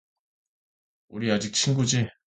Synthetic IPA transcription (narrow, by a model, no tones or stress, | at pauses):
uɾiad͡ʑik̚t͡ɕʰinɡud͡ʑi